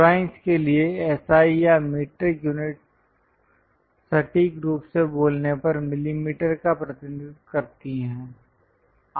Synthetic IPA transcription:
pɾaːɪ̃nskelieɛːsaːijamiːʈɾjuːnɪʈ̚ | sɐʈiɡɾuːpseboːlnepɐɾmɪlimiːʈəɾkapɾɐt̪ɪnɪd̪kɐɾt̪iɦɛ̃ː

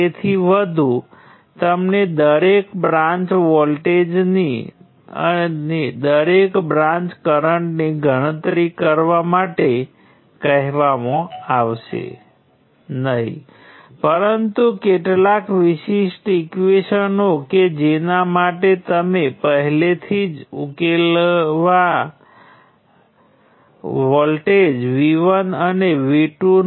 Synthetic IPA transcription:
et̪ʰiʋəd̪ʱu | t̪əmned̪əɾekbɾãɲt͡ʃʋɔlʈed͡ʒnḭ | ə̰ned̪əɾekbɾãɲt͡ʃkəɾəɳʈniɡʱəɽ̃ət̪ɾikəɾʋamaʈe | kəɦʋamõaʋʃḛ | nəɦḭ | pəɾənt̪ukeʈlakʋiʃiʃʈikuʋeʃənoked͡ʒenamaʈet̪əmepəɦlet̪ʰid͡ʒukelʋa | ʋɔlʈed͡ʒʋiʋənəneʋiʈu

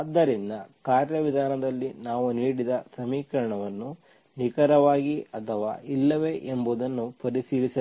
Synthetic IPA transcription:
d̪ːɐɾind̪ɐkaːɾjɐʋid̪ʱaːnɐd̪ɐlːinaːʋuniːɽid̪ɐsɐmiːkɐɾɐɳɐʋɐnːu | nikɐɾɐʋaːɡiɐt̪ʰɐʋa̰ːilːɐʋeʔembuːd̪ɐnːupɐɾisiːlisɐ

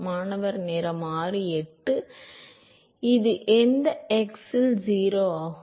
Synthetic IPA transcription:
maːnɐʋɐɾnɪɾɐmaːrɯɛʈːɯ | ɪðɯʔɛnd̪ɐɛksɪld͡ʒiːɾoːaː

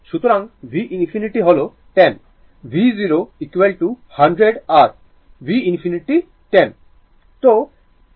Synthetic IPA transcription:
ʃut̪oɾaŋbʱiʔinfʰiniʈiɦolo | ʈen | bʱiziɾoikʋelʈuhɐɳɖɾeɖaɾ | bʱiinpʰiniʈi | ʈen | t̪o

